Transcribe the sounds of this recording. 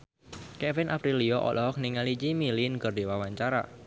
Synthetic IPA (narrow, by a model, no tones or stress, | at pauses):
kɛfɪnʔapɾiliɔʔɔ̰lɔk̚niŋalid͡ʒimilinkɨrdiwawaɲt͡ʃaɾa̰